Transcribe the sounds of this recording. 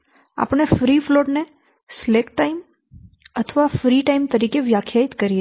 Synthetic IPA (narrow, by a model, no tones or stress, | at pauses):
a̰pɳ̃efɾifloʈne | slekʈʈːaim | ət̪ʰəʋafɾiʈaimt̪əɾikeʋjakʰjait̪kəɾie